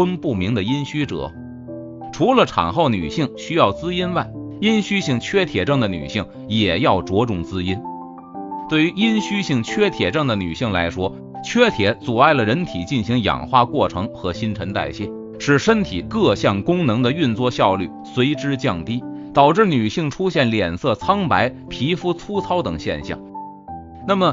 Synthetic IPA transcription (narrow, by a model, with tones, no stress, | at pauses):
ə˥npu˥˩mi˧˥ŋd̪ə˨i˥nɕy˥ʈ͡ʂɤ̰˨˩˦ | ʈ͡ʂʰu˧˥lə˨ʈ͡ʂʰɑ̰˨˩ŋxo˥˩ʊny̰˨˩ɕi˥˩ŋɕy˥jɑ˥˩ʊt͡sɹ̩˥i˥nwa˥˩ɪ | i˥nɕy˥ɕi˥˩ŋt͡ɕʰɥɛ˥t̪ʰjɛ˨˩ʈ͡ʂɤ˥˩ŋd̪ə˨ny̰˨˩ɕi˥˩ŋ | jɛ˨˩jɑ˥˩ʊʈ͡ʂwɔ˧˥ʈ͡ʂʊ˥˩ŋt͡sɹ̩˥i˥n | t̪we˥˩ɪy˧˥i˥nɕy˥ɕi˥˩ŋt͡ɕʰɥɛ˥t̪ʰjɛ˨˩ʈ͡ʂɤ˥˩ŋd̪ə˩ny̰˨˩ɕi˥˩ŋla˧˥ɪʂwɔ˥ | t͡ɕʰɥɛ˥t̪ʰjɛ˧˥t͡sɔ˨˩a˥˩ɪlə˩ɻə˧˥nt̪ʰi˨˩t͡ɕi˥˩nɕi˧˥ŋjɑ̰˨˩ŋxwa˥˧kwɔ˥˩ʈ͡ʂʰɤ˧˥ŋxɤ˧˥ɕi˥nʈ͡ʂʰə˧˥nt̪a̰˥˧ɪɕi˥˩n | ʂɻ̩˥˩ʂə˥nt̪ʰi˨˩kɤ˥˧ɕjɑ˥˩ŋkʊ˥ŋnɤ˧˥ŋd̪ə˧y˥˧nt͡swɔ˥˧ɕjɑ˥˧ʊly˥˩swe˧˥ɪʈ͡ʂɻ̩˥t͡ɕjɑ˥˩ŋt̪i˥t̪ɑ˨˩ʊʈ͡ʂɻ̩˥˩ny˨˩ɕi˥˩ŋʈ͡ʂʰu˥ɕjɛ˥˩nljɛ˨˩nsɤ˥˩t͡sʰɑ˥ŋpa˧˥ɪ | pʰi˧˥fu˥t͡sʰu˥t͡sʰɑ˥ʊt̪ɤ˨˩ŋɕjɛ̰˥˧nɕjɑ̰˥˩ŋ | na˥˩mə˩